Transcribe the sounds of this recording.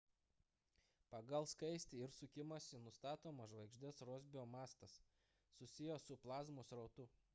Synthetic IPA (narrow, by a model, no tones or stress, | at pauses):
pɐɡɐlˠskɐɪsʲt̪ʲɪɪɾsʊkʲɪmɐsʲɪnʊst̪ɑːt̪oːmɐʒʋɐɪɡʒʲd̪ʲɛsɾoːzʲbʲɪoːmɑːst̪ɐsː | ʊsʲɪjosʊplˠɑːzmoːsɾɐʊt̪ʊ